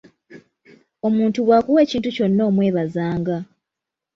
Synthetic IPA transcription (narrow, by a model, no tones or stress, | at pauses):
o̞muːntuwaːkuwe̞ːciːntuco̞nːo̞ːmwe̞ːβazaːŋɡa